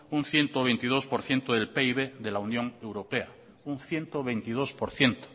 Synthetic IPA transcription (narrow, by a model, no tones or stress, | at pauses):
unθje̞nt̪oβ̞e̞jnt̪ið̞o̞spoɾθje̞nt̪oðe̞lpeiβ̞eðe̞launjõ̞ŋe̞wɾo̞pe̞a | unθje̞nt̪oβe̞jnt̪ið̞o̞spoɾθje̞nt̪o̥